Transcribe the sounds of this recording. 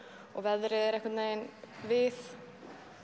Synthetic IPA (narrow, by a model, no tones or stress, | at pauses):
ɔɣvɛðɾɪðɛɾɛhkvat̪nejnvɪθ